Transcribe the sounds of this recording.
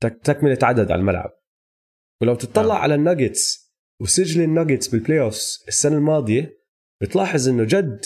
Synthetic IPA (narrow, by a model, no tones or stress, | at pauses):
t̪at̪akmɪlɪt̪ʕad̪ad̪ʕa̰lmalʕa̰b̚ | wlawt̪ɨt̪ˤːɑlːɑʕa̰lanːaɡɪt̪s | wɪsɪd͡ʒlinːaɡɪt̪sbɪlpleːʔofsɪsːanalmɑːd̪ˤɨje | b̥ɪt̪lɑːħɨzˤʔɪnːʊd͡ʒad̪